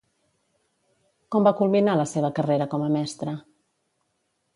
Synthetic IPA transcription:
kɔmbakulˠminaləseβəkəreɾəkɔməmɛst̪ɾə

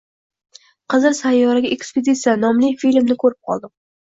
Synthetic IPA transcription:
qɨzɨɾsajːɒɾaɡʲaʔeksped̪ʲit̪sijanɒmlɪfilmnɪkʰɵɾɪp̚qʰɒ̰lˠd̪ɪ

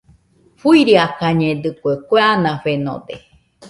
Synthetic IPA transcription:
ɸuiɾiakaɲẽd̪ɨkʷekʷeanãɸenõ̰d̪e

